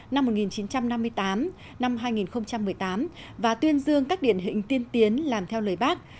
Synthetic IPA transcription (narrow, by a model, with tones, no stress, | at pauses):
na˧mːo˨˩t̚ŋi˨˩nt͡ɕi˨˦nt͡ɕa˧mna˧mːɨ˧əjt̪aː˨˦m | na˧mɦaː˧jŋi˨˩nxə˧wŋ͡mt͡ɕa˧mːɨ˨˩əjt̪aː˨˦m | vaː˨˩t̪wi˧ənzɨ˧əŋkaː˦˥k̚ɗḭ˧˨ənɦḭ˧˨ŋ̟t̪i˧ənt̪i˨˦ənlaː˨˩mt̪ʰɛ˧wləː˨˩jɓaː˦˥k̚